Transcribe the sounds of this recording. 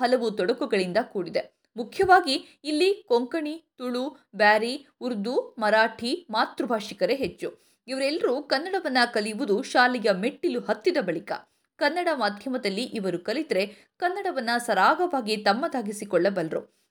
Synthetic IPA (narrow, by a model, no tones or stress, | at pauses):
ɦɐlɐʋut̪ɔɽɐkuɡɐɭind̪ɐkuːɽid̪e | mukʰjɐʋaːɡiː | lːikoŋkɐɳit̪uɭu | baːɾi | uɾd̪umɐɾaːʈʰimaːt̪ɾubʱaːʂikɐɾe̞ɦet͡ʃːu | iʋɐɾɛlːɐɾukɐnːɐɽɐʋɐnːɐkɐlijʋud̪uʃaːlijɐme̞ʈːiluɦɐt̪ːid̪ɐbɐɭikɐ̰ | kɐnːɐɽɐmaːd̪ʱjɐmɐd̪ɐlːiʔiʋɐɾukɐlit̪ɾe̞ | kɐnːɐɽɐʋɐnːɐsɐɾaːɡɐʋaːɡit̪ɐmːɐd̪aːɡisikɔɭːɐbɐlɾṵ